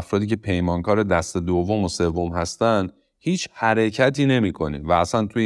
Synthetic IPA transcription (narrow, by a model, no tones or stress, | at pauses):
fɾɒːd̪iːcʰe̞pʰe̞jmɒːŋkɒːɾed̪æst̪e̞d̪ovːo̞mose̞vːo̞mhæst̪ænd̪ | hiːt͡ʃhæɾe̞cʰæt̪ʰiːne̞miːkʰo̞nḭːvæːsænt̪ʰu